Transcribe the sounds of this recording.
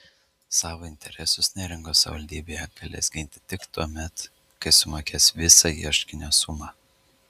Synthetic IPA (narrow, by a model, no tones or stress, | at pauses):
sɑːʋoːɪnʲt̪ʲɛɾʲɛsʊsnʲɛːɾʲɪŋɡoːsɐʋɐlʲd̪ʲiːbʲeːjɛɡ̥ɐlʲḛːsɡʲɪnʲt̪ʲɪ̥t̪ʲɪkt̪uɔmʲɛt̪ | kɐɪsʊmɑːkʲeːsʋʲɪsɑiɛʃkʲɪnʲoːsʊmɑː